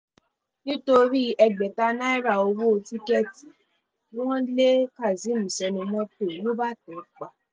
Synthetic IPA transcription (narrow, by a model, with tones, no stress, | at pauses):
nĩ˦to˧ɾi˦ʔɛ˧ɡ͡bɛ˨ta˧na˦i˦ɾa˨o˧wo˦o˧ti˦kɛ˧ti̥˨ | o˦w̃ɔ̃˦le˦ka˦˨zi˨˦mũ˨sɛ˧nũ˧mɔ̃˦to˦˨lo˦ba˦˨tɔ˨˦k͡pa˨